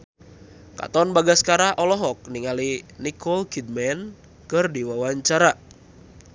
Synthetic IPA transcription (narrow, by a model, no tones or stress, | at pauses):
ka̰t̪ɔnbaɡaskaɾaʔɔlɔɦɔk̚niŋalinikʰɔlkid̪̚mɛn | kɨrdiwawaɲt͡ʃaɾa